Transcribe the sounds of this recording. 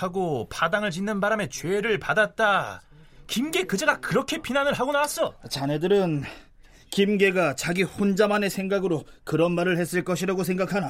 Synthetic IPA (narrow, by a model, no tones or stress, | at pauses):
aɡopadaŋɯɭt͡ɕinːɯnbaɾame̞t͡ɕwe̞ɾɯɭpadat̚t͈a | kimɡe̞kɯd͡ʑe̞ɡakɯɾʌkʰe̞pʰinanɯɭɦaɡonawas͈ʌt͡ɕanedɯɾɯn | kimɡe̞ɡat͡ɕaɡihond͡ʑamane̞sʰe̞ŋɡaɡɯɾokɯɾʌnmaɾɯɭhe̞s͈ɯɭk͈ʌɕʰiɾaɡos̬ʰe̞ŋɡakʰana